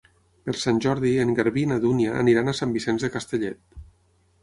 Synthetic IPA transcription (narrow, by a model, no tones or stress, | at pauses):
pəlˠsanʲʒɔɾðieŋɡaɾβinaðunja̰ːniɾanasambisenzðəkast̪əʎɛt̪̚